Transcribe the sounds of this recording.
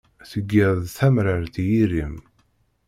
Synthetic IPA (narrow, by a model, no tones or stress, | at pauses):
θəɡːəðˤθæmɾəɾt̪jiɾim